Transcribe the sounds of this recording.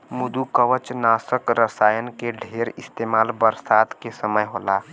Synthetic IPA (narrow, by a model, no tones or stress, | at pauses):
mʊd̪ukəʋət͡ʃnaːsəkɾəsaːjənkeɖʱeːɾɪst̪eːmaːlbəɾsaːd̪kesəməjɦoːlaː